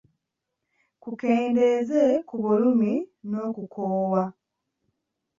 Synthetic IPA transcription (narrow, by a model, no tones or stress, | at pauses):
kukeːnde̞zekuβulumino̞ːkukʰoːwa